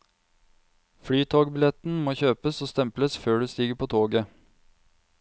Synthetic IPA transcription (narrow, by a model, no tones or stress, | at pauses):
fɽyːt̪ʰoːɡbɪlɛt̪n̩moːçøːpəsoːst̪ɛmpləsføːɖʉːst̪iːɡəpʰoːt̪ʰoːɡə